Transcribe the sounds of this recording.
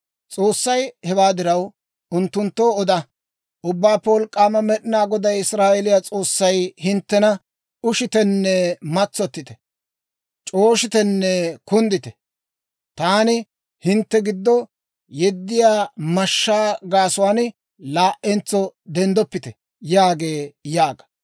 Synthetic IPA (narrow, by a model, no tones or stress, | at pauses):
t͡sʼo̞ːsːɐjhɛbaːd̪ɪɾɐw | ʊnt̪ːʊnt̪ːoːɔd̪ɐ | ʊbːaːpːɛwɔlkʼːaːmɐmɛɗɪnaːɡɔd̪ɐjɪsɾaːʔɛlɪjaːt͡sʼo̞ːsːɐjhɪnt̪ːɛnɐ | ʊʃɪt̪ɛnːɛmɐt͡sːɔt̪ːɪt̪ɛ̥ | t͡ʃʼo̞ːʃɪt̪ɛnːɛkʊnd̪ɪt̪ɛ | t̪aːnɪ | hɪnt̪ːɛɡɪd̪ːɔ | jɛd̪ːɪjaːmɐʃːaːɡaːsʊwaːn | laːʔɛnt͡sːɔd̪ɛnd̪ɔpːɪt̪ɛ | jaːɡe̞ːjaːɡɐ̥